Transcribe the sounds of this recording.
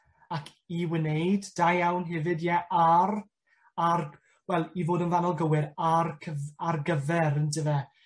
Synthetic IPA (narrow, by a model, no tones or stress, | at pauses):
akʰ | iwɪnejd̥ːajawnɦɛvɨdjɛʔaɾ | ar | wɛlˠivoːdənvanɔlˠɡəwɪɾarkʰəarɡəvɛɾəntʰɪvɛ